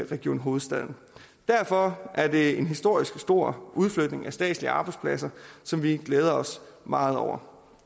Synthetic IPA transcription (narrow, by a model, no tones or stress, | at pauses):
ʁɛɡ̥io̝̰ːnɦo̝ːð̩ˠsd̥æðˠn̩ | d̥æɐfɒ̽ʔæɐd̥e̝e̝nɦisd̥o̝ɐ̰isɡ̥sd̥o̝ɐ̰ʔuðˠfløɡd̥ne̝ŋæsd̥ɛ̰ːd̥liəɑ̈ːb̥ɑ̈ɪdspʰlæsɐsɒ̽mʋiɡ̥leːð̞ˠɐɒ̽s | mɑ̈ːð̞̩ˠɒʊ̰ɐ